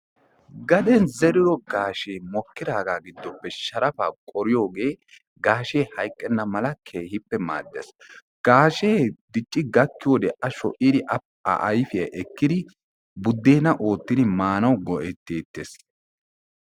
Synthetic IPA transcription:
ɡɐd̪ɛnzɛɾɪɾɔɡaːʃeːmɔkːɪd̪aːɡaːɡɪd̪ːɔpːɛʃɐɾɐfaːkʼɔɾɪjo̞ːɡe̞ː | ɡaːʃe̞ːhɐjkʼːɛnːɐmɐlɐkʰeːhɪpːɛma̰ːd̪ːḛs | ɡ̥aːʃe̞ːd̪ɪt͡ʃʼːɪɡɐkːɪjoːd̪ɛʔɐʃɔ̰ʔʔɪd̪ɪʔɐ | ɐ̰ʔɐjfɪjɐʔɛkːɪd̪ɪ | bʊd̪ːeːnɐʔo̞ːt̪ːɪd̪ɪmaːnɐwɡɔʔɛt̪ːeːt̪ːeːs

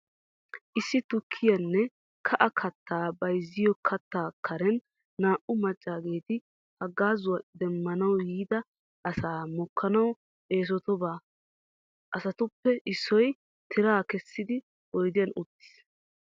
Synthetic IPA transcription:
ʔɪsːɪt̪ʊkʰːɪjɐnːɛ | kʰɐʔɐkʰɐt̪ːaːbɐjzːɪjɔkʰɐt̪ːaːkʰːɐɾɛnː | aːʔʊmɐt͡ʃʼːaːɡe̞ːt̪ɪ | hɐɡːaːzʊwɐd̪ɛmːɐnɐwjiːd̪ɐ | ʔɐsaːmɔkːɐnɐw | e̞ːs̬ɔt̪ɔbaː | ʔɐsɐt̪ʊpːɛʔɪsːɔj | t̪ʰɪɾaːkɛsːɪd̪ɪ | ɔjd̪ɪjɐnʊt̪ːɪ̥s

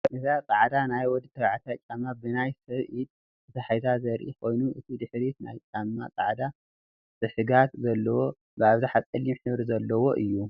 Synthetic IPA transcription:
ʔɨzakʼaʕd̪anajwɔd̪ɨt̪ʰːɐβʕat̪ʰat͡ʃʼamːabɨnajsɐβʔid̪̚ | ɨt̪ʰɐħajzazɐɾʔḭkʰo̞jnuʔɨt̪ʰid̪ɨħɾit̪na̰jt͡ʃʼamːa̰kʼa̰ʕd̪a | tɨħɨɡat̪zɐlːɐwo̞ | bɨaβzaħatkʼɐlːimħɨβɾizɐlːɐwo̞ʔɨjːu

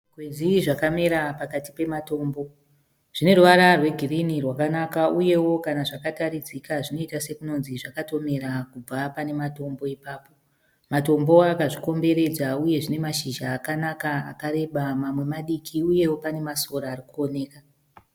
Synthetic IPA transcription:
ɡwed͡ziʐakame̞ɾapakatipe̞mato̞ːmbo̞ | ʐ̥ine̞ruʋaɾarwe̞ɡʱirinirwakanakauje̞wo̞kanaʐakataɾid͡zikaʐino̞itase̞kuno̞nziʐakato̞me̞ɾakub͡vapane̞mato̞mbo̞ipaːpo̞ | mato̞mbo̞akaʐiko̞mbe̞ɾe̞d͡zauje̞ʐine̞maʃiʒaːkanakaa̰kaɾe̞ɓamamwe̞maɗikʰiuje̞wo̞pane̞maso̞ɾaːrikuone̞ːka

